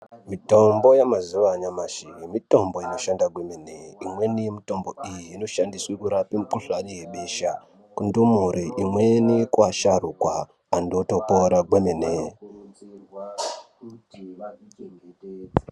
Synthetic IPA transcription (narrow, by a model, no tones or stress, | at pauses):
mitombo̞jamazuʋaɲamaʃiimito̞mbo̞ino̞ʃandaɡwemeneimwenijemito̞mbo̞ijiːno̞ʃandiswikuɾapimukuɬanijeɓeʃa | kundumuɾiʔimwenikwaʃarukwaː | ndotopoɾaɡwemene